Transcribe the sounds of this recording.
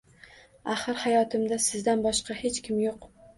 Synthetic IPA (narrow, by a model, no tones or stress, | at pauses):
aχɨɾhajɒt̪ʰɪmd̪asɪzd̪anbɒʃqɑhe̞t͡ʃkʲʰɪmjoq